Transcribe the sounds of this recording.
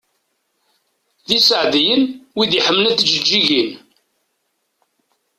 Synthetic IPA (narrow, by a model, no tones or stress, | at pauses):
ðisəʕðjənwiðiħəmːnæθd͡ʒəd͡ʒːiʝin